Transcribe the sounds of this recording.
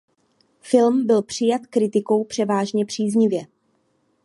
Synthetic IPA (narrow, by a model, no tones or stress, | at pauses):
fɪlmbɪlpr̝̥ɪjat̪kɾɪt̪ɪko̞wpr̝̥ɛvaːʒɲɛpr̥iːzɲɪvjɛ